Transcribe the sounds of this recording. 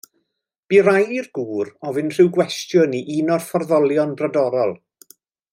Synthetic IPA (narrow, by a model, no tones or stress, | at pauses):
b̥irajirɡuːɾɔvɨnr̥ɨwɡwɛstjʊniʔinɔrfɔrðɔlˠjɔnbradɔɾɔlˠ